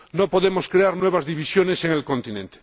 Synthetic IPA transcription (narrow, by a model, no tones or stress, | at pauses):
nopoðemoskɾeaɾnweβ̞azðiβisjo̞neseŋelkõ̞nt̪inẽnt̪e